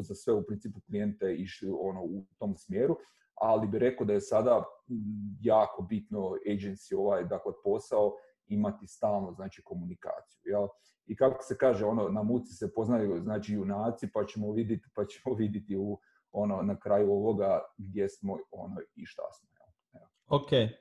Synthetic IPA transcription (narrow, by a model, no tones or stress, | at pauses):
zasʋe̞upɾint̪iːpuklie̞nt̪eiʃlio̞no̞ut̪o̞msmjeːɾu | alibiɾe̞kod̪aje̞sad̪a | jaːko̞bit̪no̞ejd͡ʒensio̞ʋaːjd̪aklepo̞sao̞ | imat̪ist̪aːlˠnoznaːt͡ʃiko̞munika̰ːt̪sijujel | ikakosekaːʒeo̞no̞namut̪si̥sepo̞znajuznaːt͡ʃiunaːt̪sipat͡ɕemoʋid̪jet̪i̥pat͡ɕe̥moʋid̪jet̪iu | o̞no̞nakɾaːjuo̞ʋo̞ɡaɡd̪je̞smo̞o̰no̰iʃt̪a̰smojḛl | e | oke